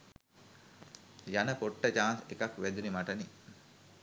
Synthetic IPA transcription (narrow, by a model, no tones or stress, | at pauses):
janəkoʈːət͡ʃaːnsekakʋæd̪unimaʈɐni